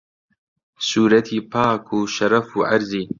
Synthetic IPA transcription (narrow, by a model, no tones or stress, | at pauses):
suːɾɐt̪ʰiːpʰaːkʰuːʃɐɾɐfuːʔaɾziː